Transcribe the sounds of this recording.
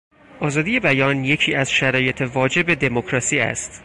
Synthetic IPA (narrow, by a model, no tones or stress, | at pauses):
ʔɒːzɒːd̪ije̞bæjɒːnje̞cʰiːæz̥ʃæɾɒːje̞t̪ʰe̞vɒːd͡ʒe̞be̞d̪e̞mokʰɾɒːsiːæ̰st̪